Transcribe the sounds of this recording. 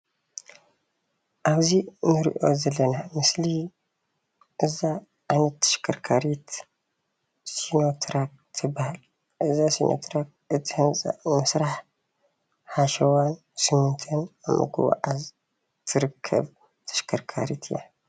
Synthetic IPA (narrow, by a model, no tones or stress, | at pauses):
ʔaβzinɨɾḭʔo̞zɐlːɐnamɨsli | ʔɨza | ʕanɐt̪ʰːɐ̥ʃkʰɐɾkʰaɾit̪ | sino̞t̪ʰɾak̚t̪ʰɨbahal | ʔɨzasinʔo̰t̪ʰɾak̚ʔɨt̪ʰːihɨnt͡sʼa̰ʔmɐsɾaħ | ħaʃɐwan | sɨmːɨnt̪ʰɐnamɨ̰ɡʰṵwa̰ʔaz | t̪ʰɨɾɨkʰːɐ̰β | t̪ʰɐ̥ʃkʰɐɾkʰaɾit̪ʰɨja̰